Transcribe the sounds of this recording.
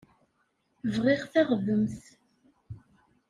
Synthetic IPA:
vʁiʁθæʁðəmθ

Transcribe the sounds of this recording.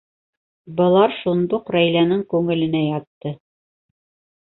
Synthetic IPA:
bɤ̆lˠɑɾʃund̪uqɾæjlænɘŋkʉŋɘ̆lɘ̆næjɑt̪ːɤ

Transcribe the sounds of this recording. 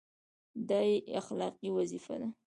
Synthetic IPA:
d̪ɑjeaxlɑqiwazifa̰d̪a

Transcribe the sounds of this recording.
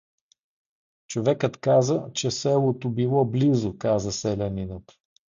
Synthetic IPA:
t͡ʃovɛkət̪kazət͡ʃɛsɛlˠot̪obilˠɔblizʊkazəsɛlʲɛninət̪

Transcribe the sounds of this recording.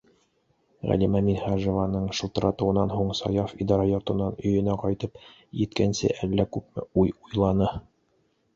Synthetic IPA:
ʁæ̰limæminhɑʒovɑnɤɴʃɤ̆lˠt̪ɤ̆ɾɑt̪ɤ̆wɤ̆nːɑnɦuɴsɑ̰jɑfid̪ɑɾɑjŏɾt̪ɤ̆nːɑnɵ̆jɵ̆næqɒjt̪ɤp | jɘ̆t̪kænsɘ̰ʔælːækʉp̚mɘ̰ujujlˠɑnɤ

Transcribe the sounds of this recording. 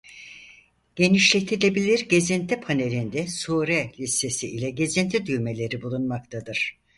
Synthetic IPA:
ɟ̥e̞niʃlʲec̚t̪ʰiɾlʲe̞bilʲiɾɟe̞zint̪ʰipʰane̞lʲind̪ɛsuːɾɛlʲisːe̞siilʲɛɟe̞zint̪ʰid̪yjme̞lʲe̞ɾibulˠunmakt̪ʰad̪ɯɾ̥

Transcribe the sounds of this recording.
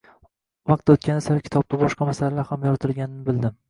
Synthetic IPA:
vɑq̚t̪ːaʊt̪̚kʲʰanɪsaɾakʲɪ̥t̪ʰɒb̚t̪abɒʃqɑmasalalaɾhamjɒɾt̪ʰɪlɡʲanɪnɪbɪld̪ɪm

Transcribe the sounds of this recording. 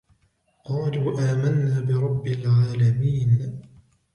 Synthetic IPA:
qɑːluːʔaːmanːaːbɪɾˤɑbːɪlʕaːlamiːn

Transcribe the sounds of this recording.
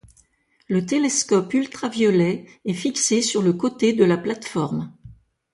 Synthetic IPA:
lət̪eleskɔpylt̪χavjɔlɛɛfiksesyʁləkot̪ed̪əlaplat̪fɔʁm

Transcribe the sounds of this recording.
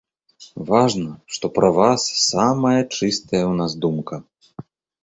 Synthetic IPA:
vaʐnɐʂt̪ɔpɾɐvasːamɐjɐt͡ʂɨst̪ɐjɐwnazd̪umkɐ

